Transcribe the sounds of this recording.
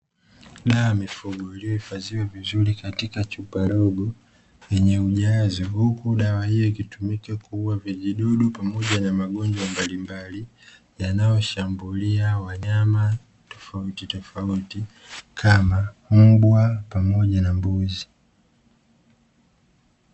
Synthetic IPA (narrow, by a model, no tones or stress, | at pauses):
ɗawamifuɡɔiliɔifaziwɛvizulikatikat͡ʃupaɾɔɡɔ | jɛɲɛuʄazɔhukuɗawahijɔikitumikɛkuuwaviʄiɗɔɗupamɔʄanamaɠɔɲd͡ʒwambalimbali | janajɔʃambuliawaɲama | tɔfautitɔfauti | kʰamam̩bwapamɔʄanambuzi